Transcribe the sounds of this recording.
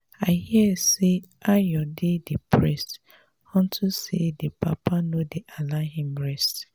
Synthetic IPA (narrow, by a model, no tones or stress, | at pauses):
aɪhiɛse | ajɔdedepʰɹɛst | hɔ̃ntʰusedepʰapanodeʔalaɦĩmɹɛst